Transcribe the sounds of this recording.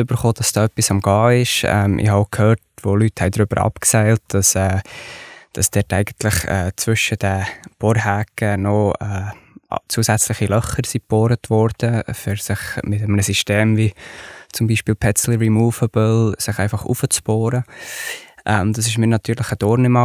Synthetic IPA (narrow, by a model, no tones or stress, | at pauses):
ʏbəɾχoːd̥ɑsd̥ɑːœpːisɑmɡ̥ɑːɪʃɛ̰mʔɪ̰hɑkʰhøːɾtvolythɛɪdɾʏb̥əɾɑ̰pksɛɪlt̚d̥ɑsɛː | d̥ɑsd̥ɛtæɪɡ̥əntlɪχɛ̰ːt͡svʏʃəd̥ɛb̥ɔɾɦæːkənɔɛːt͡suːəsæt͡slɪχilœχəɾsipːoːɾətvɔɾd̥əfʏɾsɪχmɪtəmənəsiʃteːmvit͡sʊmbiːʃpiːlpʰɛsl̩ɹimuːvəb̥əlsɪχæɪfɑχṵfət͡sboːɾə | ʔɛd̥̪ɑs̬ɪʃmiːnɑt̪ʰyːɾlɪχəd̥ɔːɾnɪmɑ